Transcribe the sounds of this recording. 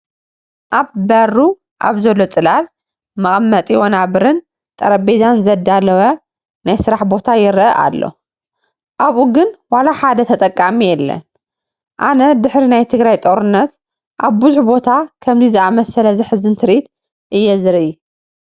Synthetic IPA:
ʔaβbɐrːu | ʔa̰βzɐlːo̞t͡sʼɨlal | mɐχʼɐmːɐt̪ʼiwonaβɨɾɨn | t̪ʼɐɾɐbezanzɐd̪alɐwɐ | najsɨɾaħbo̞t̪ʰajɪɾʔɐʔa̰lːo̞̰ | ʔaβʔuɡɨnwalaħad̪ɐt̪ʰɐt̪ʼɐkʼːamijɛlːɐ̰n | ʔanɐd̪ɨħɾinajt̪ʰɨɡɾajt̪ʼoɾɨnːɐt̪ | ʔaβbɨzuħbo̞t̪ʰakʰɐmzizɨamɐsɐlɐzɨħɨzɨnt̪ʰɨɾit̪ | ʔɨjːɛzɨɾʔi

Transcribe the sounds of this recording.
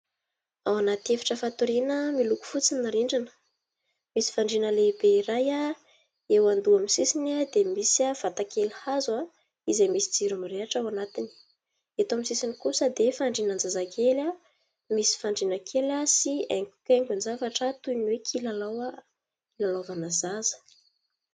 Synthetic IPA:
awanat̪efḁʈ͡ʂəfat̪uɾinəmiluku̥fut͡sinaɾiɳɖ͡ʐanə̥ | misi̥faɳɖ͡ʐinəlebeiɾaja | ewand̪uamisisinad̪emisav̥at̪akʰelhaza | izajmisid͡ziɾumireaʈ͡ʂawanat̪ini̥ | et̪oamisisinikusəd̪efaɳɖ͡ʐinand͡zazakʰela | misi̥faɳɖ͡ʐinakʰelasieŋkʲukʲeŋkunzavaʈ͡ʂət̪ujniwekʰilalawa | lalovanazazə̥

